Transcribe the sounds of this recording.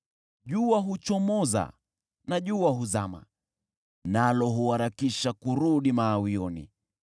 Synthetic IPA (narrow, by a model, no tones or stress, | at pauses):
ʄuaɦut͡ʃɔmɔza̰ | naʄuaɦuzama̰ | nalɔɦuaɾakiʃakuɾuɗimaːwiɔnḭ